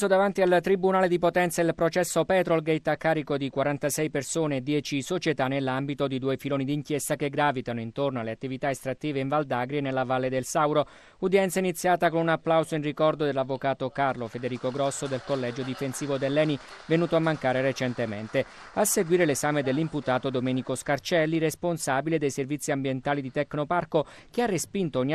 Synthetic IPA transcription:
sod̪avant̪ialt̪ɾibunaːled̪ipot̪ɛnt̪sailpɾot͡ʃɛsːopɛːt̪ɾolɡɛjt̪akːaːɾikod̪ikwaɾant̪asɛjpersoːneːd̪ːjɛːt͡ʃisot͡ʃet̪anːelːambit̪od̪id̪uːefiloːnid̪iŋkjest̪akeɡɾaːvit̪anoint̪ornoaleat̪ːivit̪aest̪ɾat̪ːiːveiɱvald̪aɡɾienelːavalːed̪elsawɾo | ud̪jɛnt̪sainit̪sːjaːt̪akonunapːlawzoinrikɔrd̪od̪elːavːokaːt̪okarlofed̪eɾiːkoɡɾɔsːod̪elkolːɛd͡ʒod̪ifensiːvod̪elːɛːni | venuːt̪oamːaŋkaːɾeret͡ʃent̪ement̪e | asːeɡwiːɾelezaːmed̪elːimput̪aːt̪od̪omɛːnikoskart͡ʃɛlːiresponsabiled̪ejservit̪sːiambjent̪aːlid̪it̪ɛknoparkok̟earːespint̪oɲːi

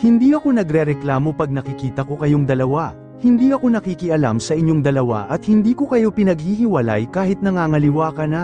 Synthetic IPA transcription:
hɪnd̪iːʔɐko̞nɐɡɾɛɾɛklaːmo̞pɐɡ̚nɐkɪkiːt̪ɐko̞kɐjo̞ŋd̪ɐlɐwa | hɪnd̪iːɐko̞nɐkikɪʔɐla̰msɐʔɪɲːo̞ŋd̪ɐlɐwa̰ʔɐt̪̚hɪnd̪iːko̞kɐjo̞pɪnɐɡ̚hiːhɪwɐla̰jkaːhɪt̪̚nɐŋaːŋɐlɪwaːkɐna

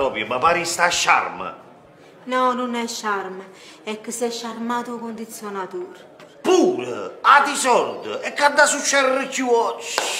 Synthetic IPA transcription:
ɾɔpjumapaɾist̪aʃːa̰ɾmə̰ | nɔnunɛʃːaɾmə | ɛkːəsɛʃːaɾmaːt̪uakond̪it̪sːjɔnat̪uːɾ | puːɾəad̪isɔɾd̪əɛkːad̪ːasuʃːɛɾɾəkuɔt͡ʃː

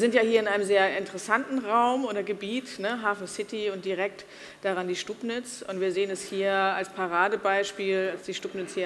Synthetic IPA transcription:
zɪntjaːhiːɐɪnʔaɪnəmzeːɐɪntəʁəsantn̩ʁaʊmʔoːɾɐɡəbiːtnəɦaːfn̩sɪtiʊntd̥iʁɛk̚t | d̥aʁandiːʃtuːpnɪt͡sʊ̰ntviːɐzeːənɛshiːɐalspʰaʁaːdəbaɪʃpiːlalsd̥iːʃtuːpnɪt͡shiːɐ

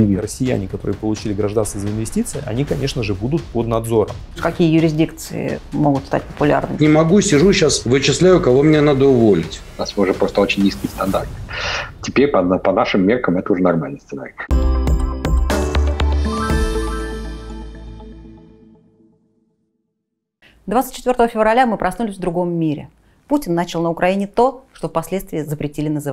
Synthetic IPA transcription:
rəsʲːɪjæ̰nʲɪkɐt̪o̞ɾɨjəpəlˠʊt͡ɕilʲɪɡɾɐʐd̪anst̪vəzəɪnvʲɪsʲtʲit̪sɨjʔɐ̰nʲikɐnʲe̞ʂnəʐɨbud̪ʊt̪̚pod̪nɐd̪zo̞ɾə̰mʲ | kɐkʲijəjʊɾʲɪzʲdʲikt̪sɨ̰ɪ̰moɡʊt̪st̪a̰t̚ʲpəpʊlʲa̰rnɨnʲɪmɐɡusʲɪʐuɕasvɨt͡ɕɪslʲæjʊkɐvo̞mnʲenad̪əʊvo̞lʲɪtʲnasvʲɨʊʐɛpɾo̞st̪əot͡ɕɪnʲnʲiskʲɪjəst̪ɐnd̪art̪tʲɪpʲeɾʲpəpɐnaʂɨmːʲerkəmɛt̪əʊʐɛnɐrmalʲnəjst̪sɨna̰ɾʲɪ | d̪vat̪sɨ̥t̚ʲt͡ɕːɪt̪vʲort̪əvəfʲɪvrɐlʲamɨpɾɐsnulʲɪsʲvd̪ɾʊɡo̞mːʲiɾʲɪ̰ | putʲɪnːat͡ɕɪlˠnəʊkɾʔɐinʲɪt̪o̞ʂt̪o̞fpɐsʲlʲet̪st̪vʲɪəzəpɾʲɪtʲilʲɪnəzɨv

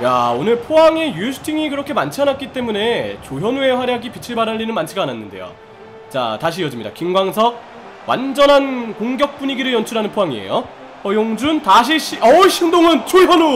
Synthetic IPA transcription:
jaonɯɭpʰoɦaŋe̞jusʰɯ̥tʰiŋikɯɾʌkʰe̞mant͡ɕʰanat̚k͈it͈e̞mune̞t͡ɕojʌnue̞ɸwaɾjaɡipit͡ɕʰiɭbaɾaɭːinɯnmant͡ɕʰiɡaːnanːɯnde̞̰jo̰ | t͡ɕa̰taɕʰijʌd͡ʑimɲida̰kimɡwaŋsʰʌ | wʔa̰nd͡ʑʌnɦankoŋɡjʌk̚p͈uɲiɡiɾɯɭjʌnt͡ɕʰuɾɦanɯnpʰoɦaŋiḛjo | pʰʌjoŋd͡ʑuntaɕ̬ʰiɕʰiʌɕʰindoŋɯnt͡ɕojʌnu

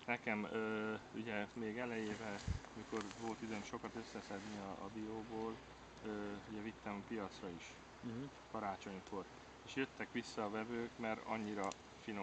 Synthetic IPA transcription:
nɛkɛmøːṵɟɛmeːɡɛlɛjeːvɛɒmiko̞rvo̞lt̪id̪øːnʃo̞kɒt̪ø̞sːɛsɛd̪niɒ̰ːbioːboːl | øːuɟɛvit̪ːɛmpijɒt̪srɒiʃ | kɒɾaːt͡ʃo̞ɲko̞r | eːʃjøt̪ːɛkʋisːɒːvɛvøːkmɛrɒ̰ɲːiɾɒ | fino

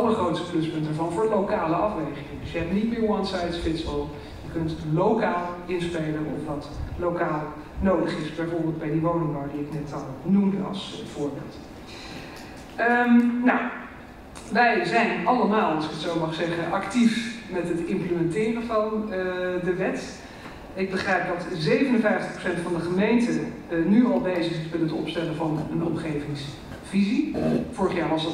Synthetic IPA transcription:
ɑləχrowtstə̥plɵspɵntəɹvɑnvʊːɹlowkaːləɑfʋejχɪŋədɵsjəɦɛp̚nitmɪːɹwɑnsɑjtfɪtsɔlˠ | jəkɵntlowkaːlˠɪnspejlənɔ̰fʋɑtlowkaːlˠ | nowdəχɪsbɛjvoɹbɪːlˠdbɛjdiʋownɪŋbawdiɪknɛtɑlˠnumdəɑ̰lˠsv̥ʊːɹbɪ̰ːlˠt | əmnaw | ʋɛjzɛjnɑləmaːlˠɑlˠsɪ̥kətsowmɑχsɛχəʔɑktifmɛtɦətɪmpləmɛntɪːrənvɑn | dəʋɛt | ɪɡ̚bəχrɛjp̚dɑtzejvənənvɛjftəχpro̥wsɛntfɑndəχəmejntə | nyɑlˠbejzəχɪsmɛnɦətɔ̰pstɛləvɑnənɔmχejvɪŋs | vizifʊːɹəχjaːɹʋɑs

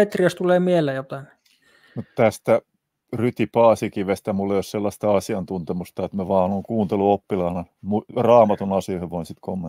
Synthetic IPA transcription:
et̪riɑst̪uleːmielːˑejot̪ɑin | mut̪t̪æst̪æ | ryt̪ipɑːsikiʋest̪æmulːejosselːɑst̪ɑɑsiɑnt̪unt̪emust̪ɑet̪mæʋɑːnoŋkuːnt̪eluopːilɑːnɑ | murɑːmɑt̪unɑsioheʋoinsit̪komːe

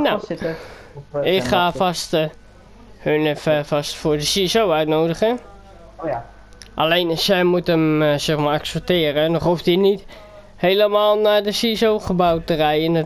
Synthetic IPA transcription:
na | ɪkχaːfast | hønɛfəfastfʊːrdəsiɛsowœɥtnowdəχə | ʔalensɛjmutəmsɛxmaːraksɛp̚tɪərənɔχɦuftinit | heːləmaːlˠnadəsiɛsowχəbawtərɛjən

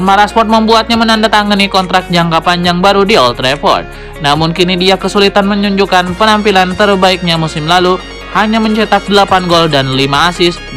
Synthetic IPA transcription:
maɾaspɔt̪̚məmbuat̪̚ɲamənandat̪aŋənikɔnt̪ɾak̚t̪̚d͡ʒaŋkapand͡ʒaŋbaɾudiɔlt̪ɾepɔ̰rt̪̚ | namʊnkinidiakəsulit̪anməɲuɲd͡ʒukanpənampilant̪ərbaik̚ɲamusɪmlalu | haɲaməɲt͡ʃet̪ak̚dəlapanɡɔldanlimaːsɪs

